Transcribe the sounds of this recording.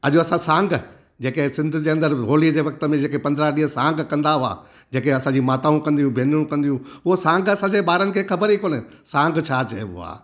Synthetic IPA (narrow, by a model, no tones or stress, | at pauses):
ɐʄoɐsãsãːŋɡ | d͡ʑeːkesɪ̃nd̪ʱd͡ʑeːɐ̃nd̪əɾɦoːliəd͡ʑeːʋɐk̚t̪ə̆mẽd͡ʑeːkepɐ̃nd̪ʱɾaɗiːɦəsãːŋɡkɐ̃nd̪aɦʊa̰ | d͡ʑeːkeɐsãd͡ʑiːmaːt̪aːũkɐ̃nd̪ijũbʱeːnijũkɐ̃nd̪ijũʊɦosãːŋɡɐsãːd͡ʑeɓaːɾənɪ̆kʰeːxɐbəɾiːkoːne | sãːŋɡt͡ɕʰaːt͡ɕɐɦḛʋʊa̰ː